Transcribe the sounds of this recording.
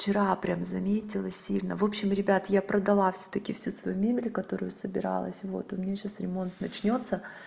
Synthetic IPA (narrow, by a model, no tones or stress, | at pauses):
ft͡ɕɪɾapɾʲamzɐmʲetʲɪlˠəsʲilʲnəvo̞pɕːɪmɾʲɪbʲat̪japɾəd̪ɐlˠafsʲɵ̥t̪əkʲɪfsʲusvɐ̰jumʲemʲɪlʲkɐt̪o̞ɾʊjʊsəbʲɪɾa̰lˠə̰sʲvo̞̰t̪ʊmʲnʲeɕasɾʲɪmo̞nt̪nɐt͡ɕnʲo̞t̪sə